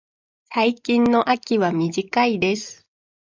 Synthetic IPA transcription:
saikʲĩnːo̞ʔakʲiβamʲiʑikaid̪e̞sɨ̥

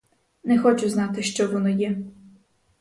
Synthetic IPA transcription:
nɛxɔt͡ʃʊznɑt̪ɪʃt͡ʃɔʋɔnɔjɛ

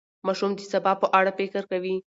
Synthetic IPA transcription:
mɑʃumd̪əsabɑpəʔaɽapekɪɾkawi

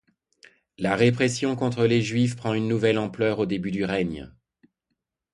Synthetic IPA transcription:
laʁepχesjɔ̃kɔ̃t̪χəleʒɥifpχɑ̃ynːuvɛlɑ̃plœʁod̪ebyd̪yʁɛɲ

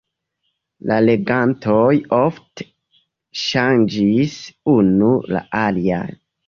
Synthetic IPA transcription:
lale̞ɡantʰojofte̥ | ʃand͡ʒisunula̰ʔalia̰n

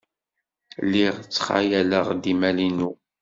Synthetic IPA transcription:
lːiʁt͡sːχa̰jæləʁd̪imælinu

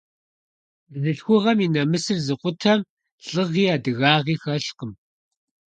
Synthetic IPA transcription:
ɮɨɬxʷʊʁɐminɐmɨsɨrzɨqʷʊtʰɐm | ɬʼɨʁiːaːdɨɣaːʁiːxɐɬqəm

